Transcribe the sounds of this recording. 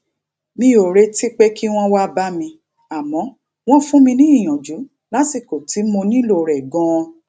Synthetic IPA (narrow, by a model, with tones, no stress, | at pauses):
mĩ˧o˨ɾe˧˦ti˦k͡pe˦kʰi˦w̃ɔ̃˦wa˦ba˦mĩ˧ | a˨mɔ̃˨˦ | w̃ɔ̃˦fũ˦mĩ˧nĩ˦i˦˨j̃ɔ̃˨d͡ʒu˨˦ | la˨˦ti˦˨ko˨ti˨˦mo˧nĩ˦lo˦˨ɾɛ˨ɡɔ̃˧˦˧